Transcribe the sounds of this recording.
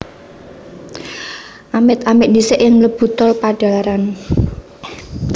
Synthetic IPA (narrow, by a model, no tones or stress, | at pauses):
ʔamɪt̪amɪʔnisɪʔɪŋləb̥ṳt̪ɔlpaɖ̥a̤laɾan